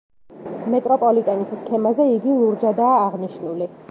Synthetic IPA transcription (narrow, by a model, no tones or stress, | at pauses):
mɛt̪ʼɾɔpʼɔlit̪ʼɛnisskʰɛmazɛiɡilˠuɾd͡ʒad̪aːʁniʃnuli